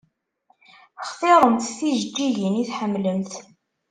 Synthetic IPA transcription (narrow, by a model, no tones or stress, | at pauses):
χfeɾˤənθθiʒd͡ʒːiʝəniθħəmːləmθ